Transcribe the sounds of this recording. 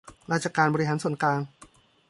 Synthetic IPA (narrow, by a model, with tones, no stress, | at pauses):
ɾaː˧˩t̚t͡ɕʰa˧kaː˧nbɔː˧ɾi˦˧ɦaː˩˦nsu˨˩ə˦nklaː˧n